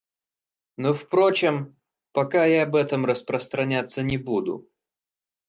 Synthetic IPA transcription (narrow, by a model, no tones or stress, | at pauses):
nofpɾot͡ɕɪm | pɐkajaɐbɛt̪əmrəspɾəst̪ɾɐnʲat̪sːənʲɪbud̪ʊ̰